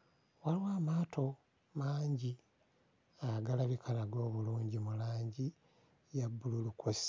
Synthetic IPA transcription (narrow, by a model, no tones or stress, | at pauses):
waliwaːmaːtʰo̞ | maːɲɟi | aɡalaβikanaɡo̞ːβuluːɲɟimulaːɲɟi | jabːululukosi̥